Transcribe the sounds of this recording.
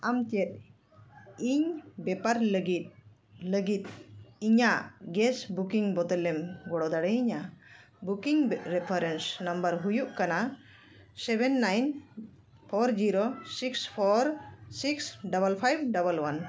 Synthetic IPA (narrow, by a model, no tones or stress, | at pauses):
amtɛt̪̚ | iɲbɛpaɾləɡit̪̚ | ləɡit̪̚iɲaʔɡɛsbukiŋbɔt̪ɛlɛmɡɔɽɔd̪aɽɛiɲa | bukiŋɾɛpʰaɾɛnsnambəɾɦujuʔkana | sɛbɛnːajn | pʰɔɾd͡ʒiɾosikspʰɔɾsiksɖabəlpʰajbɖabəlwan